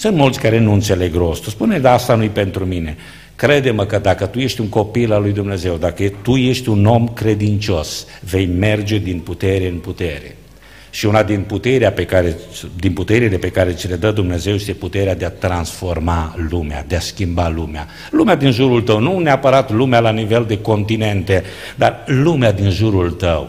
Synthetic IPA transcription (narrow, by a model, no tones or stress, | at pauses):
sɨnt̪mult̪sʲkaɾe̞nuɨnt̪se̞le̞ɡɾo̞st̪spuned̪ast̪anujpe̞nt̪ɾumine̞ | kɾe̞d̪eməkəd̪akət̪uje̞ʃt̪ʲuŋko̞pilalujd̪umne̞ze̞wd̪akət̪uje̞ʃt̪ʲuno̞mkɾe̞d̪int͡ʃo̞s | ve̞jme̞rd͡ʒe̞d̪input̪e̞ɾe̞ɨnput̪e̞ɾe̞̰ | ʃiunad̪input̪e̞ɾeape̞kaɾed̪input̪e̞ɾile̞pe̞kaɾe̞t͡ʃile̞d̪əd̪umne̞ze̞wjest̪eput̪e̞ɾead̪eat̪ɾansfo̞rmalumea̰d̪easkʲimbalumea̰ | lumead̪inʒuɾult̪əwnuneapəɾat̪lumealanive̞ld̪e̞ko̞nt̪ine̞nt̪e̞ | d̪arlumead̪inʒuɾult̪əw